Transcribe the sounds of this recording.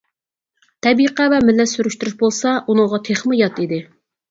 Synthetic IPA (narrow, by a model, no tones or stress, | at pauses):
t̪ʰɛbiqævɛmɪlːɛsyɾyʃt̪yɾyʃbolˠsɑʔunɨŋʁɑt̪ʰeχmɨjɑt̪id̪ɪ